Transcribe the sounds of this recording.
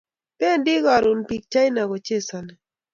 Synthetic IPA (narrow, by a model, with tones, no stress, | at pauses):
pɛ˦ndi˦ɣa˨ɾu˨npi˨k̚t͡ʃa˦jna˨ɣɔ˨t͡ʃe˦sa˨n˨